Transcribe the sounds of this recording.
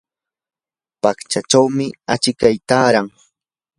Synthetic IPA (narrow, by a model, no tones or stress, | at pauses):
pakt͡ʃat͡ʃawmɪat͡ʃɪkajt̪aːɾaŋ